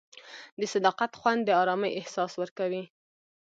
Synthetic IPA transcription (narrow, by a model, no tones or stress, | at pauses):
d̪əsad̪ɑqat̪xwand̪ːəɑɾɑməjʔɪhsɑswəɾkawi